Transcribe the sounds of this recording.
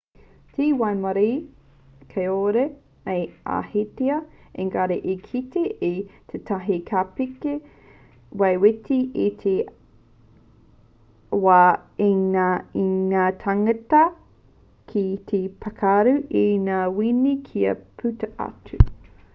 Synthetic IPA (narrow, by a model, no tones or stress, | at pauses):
tiwajmɐɾi | kʰɐjoɾe | eja̰hiteɐeŋɡaɾeʔekʰiteʔit̪ʰetʰaɦikʰaːpike | wajwetʰiit̪ʰe | waːiŋaiŋaːtʰaŋɐtɐ | kʰit̪ʰipʰakʰaɾʉʔinaːwinikʰiɐ̰pʰʉtɐʔa̰tʉ